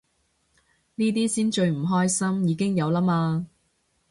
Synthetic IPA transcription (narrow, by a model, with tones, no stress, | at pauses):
niː˥t̪̬iː˥siː˥nt͡ʃɵ˧ɥm̩˨˩ɦɔː˥jsɐ˥mjiː˨˧kɪ˥ŋjɐ˨˧wlaː˥maː˧